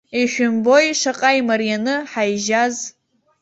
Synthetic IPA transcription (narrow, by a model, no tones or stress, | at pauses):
iʃᶣʊmbo̞jʂaqʼajmaɾijanɨħajʒaz